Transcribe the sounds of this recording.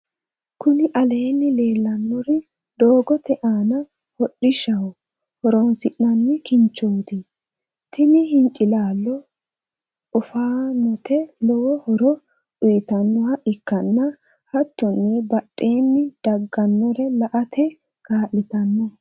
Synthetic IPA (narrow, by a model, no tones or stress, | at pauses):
kʊnɪʔɐle̞ːnːɪle̞ːlːɐnːɔɾɛ | d̪o̞ːɡɔt̪ɛʔaːnɐ | hɔɗːɪʃɐwɔ | hɔɾɔnsɪʔːɐnːɛkɪnt͡ʃːoːd̪ɪ | t̪ʰɪnɪhɪŋkʼɪlaːlːɔ | ɔfaːnɔt̪ɛlɔwɔhɔɾɔ | ʊjt̪ɐnːɔhɐʔɪkːɐnːɐ | hɐt̪ːʊnːɪbɐɗːe̞ːnːɪd̪̥ɐɡːɐnːɔɾɛlɐʔɐt̪ʰɛ | ɡ̥aːlːɪt̪ɐnːɔ